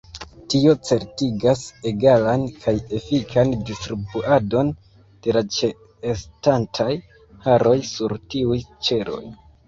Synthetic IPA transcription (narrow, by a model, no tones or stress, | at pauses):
tio̞t͡se̞ɾtiɡase̞ɡalankʰaje̞fikʰandistɾibuado̞n | d̥e̞lat͡ʃeː | stantʰaj | haɾo̞jsuɾtiujt͡ʃe̞ɾo̞̰j